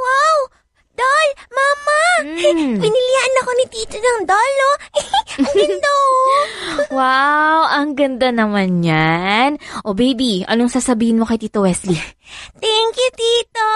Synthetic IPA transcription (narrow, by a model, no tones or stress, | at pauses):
waw | d̪̥olmamɐ | bɪnɪlɪjaʔɐnɐko̞nɪt̪iːt͡ʃɛnɐŋd̪oloʔɡɪnd̪oʔ | wawʔɐŋɡɐnd̪anɐmanɲanʔobejbiʔɐ̰noŋsaːsɐbiːhɪnmo̞kɐjt̪iːt̪owɛslit̪ɛŋkjʊt̪iːt̪o